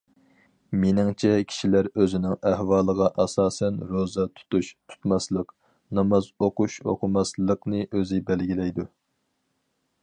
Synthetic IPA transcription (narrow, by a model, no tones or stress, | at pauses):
menɪŋt͡ʃʰɛkʲʰi̥ʃilæɾøzɪnɪŋæhwɑːlˠəʁɑʔɑsɑːsɛnɾozɑt̪ʰu̥t̪uʃt̪ʰu̥t̪mɑslˠəq | nɑmɑzoquʃo̰qʰʊmɑslˠəqnɨʔøzɪbɛlɡʲilɛjd̪u